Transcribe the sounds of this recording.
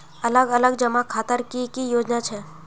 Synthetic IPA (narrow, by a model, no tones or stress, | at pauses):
ɐləɡələɡd͡ʒəmakʰaːt̪əɾkikijoːd͡ʒnat͡ʃʰɛ